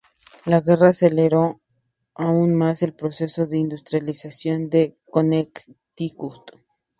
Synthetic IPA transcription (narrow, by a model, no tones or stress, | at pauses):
laɣe̞raːseleɾo | aunmase̞lpɾose̞so̞ðe̞ind̪ust̪ɾjalisasjo̞nd̪ekonekt̪ikut̪